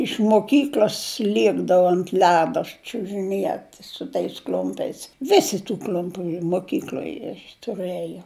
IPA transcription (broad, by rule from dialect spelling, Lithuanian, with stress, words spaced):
ɪʃ moːˈkʲiːklʲoːs ˈlʲiɛɡdɐʋʊ ɐnt ˈlʲæːdoː t͡ʃʲʊʒʲɪˈnʲiɛt sʊ tɐɪs ˈklʲʊmʲpʲɛɪs ˈʋʲɪsʲɪ tʊ ˈklʲʊmʲpʲʊ moːˈkʲiːklˠoːj tʊˈrɘjoː